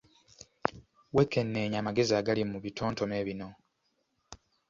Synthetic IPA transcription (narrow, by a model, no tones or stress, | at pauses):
wekːe̞nːe̞ːɲaːmaɡe̞ziaːɡalimuβitʰo̞ːnto̞me̞ːβino̞